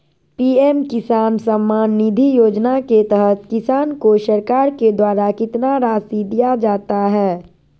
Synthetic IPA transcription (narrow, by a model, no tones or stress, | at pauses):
piːemkɪsaːnsəmːaːnːid̪ʱijoːd͡ʒnaket̪ɛɦət̪kɪsaːnkoʃəɾkaːɾked̪waːɾakɪt̪naɾaːsid̪ijad͡ʒaːt̪aɦɛː